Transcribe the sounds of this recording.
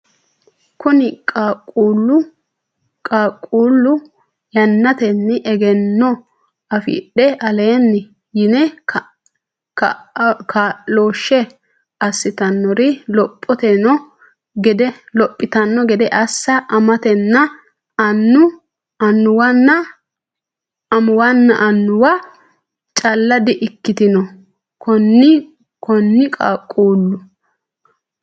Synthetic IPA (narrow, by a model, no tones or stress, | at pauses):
kʊnɪkʼakʼuːlːʊ | kʼakʼuːlːʊ | jɐnːɐt̪ɛnːɪʔɛɡɛnːɔ | ɐfḭːɗɛʔɐleːnːɪ | jɪnɛ | kʰaloːʃːɛ | ɐsːɪt̪ɐnːɔɾɪlɔpʼːɔt̪ɛnɔ | ɡɛd̪ɛlɔpʼːɪt̪ɐnːɔɡɛd̪ɛʔɐsːɐʔɐmɐt̪ɛnːɐ | ɐnːʊ | ɐnːʊwɐnːɐ | ɐmʊwɐnːɐʔɐnːʊwɐ | t͡ʃʼɐlːɐd̪ɪʔɪkːɪt̪ɪnɔ | kɔnːɪ | kɔnːɪkʼakʼuːlːʊ